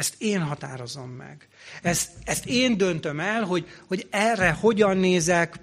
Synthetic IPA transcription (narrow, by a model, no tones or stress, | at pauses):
ɛst̪eːnɦɒt̪aːɾo̞zo̞mːɛ̰ɡ | ɛst̪ɛst̪eːnd̪ø̞nt̪ø̞mɛlɦo̞ɟho̞ɟɛrːɛho̞ɟɒnːeːzɛk